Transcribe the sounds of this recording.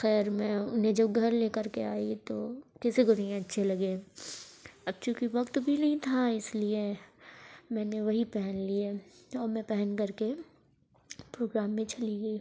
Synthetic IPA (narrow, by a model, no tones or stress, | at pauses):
xɛːɾmɛ̃ʊnɦẽd͡ʒɐbɡʱɐɾleːkəɾkeaːit̪okɛsekoniẽɐtːʃʰelɐɡeː | ɐb̚t͡ʃũkiʋɐkt̪bʱinɐɦĩt̪ʰaɪslie | mɛ̃ːneʋɐɦipɛɦɛnlieɔːɾmɛ̃pɛɦɛnkɐɾke | pɾoːɡɾaːmːẽt͡ʃɐliɡɐiː